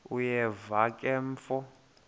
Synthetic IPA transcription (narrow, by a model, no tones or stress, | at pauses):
ujɛvakʼɛɱfɔ